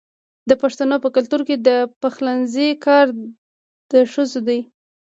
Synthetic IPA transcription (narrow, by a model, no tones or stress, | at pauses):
d̪əpaʂt̪anopəkalt̪uɾked̪əpaxlanzekɑɾ | d̪̥əʂəzod̪aj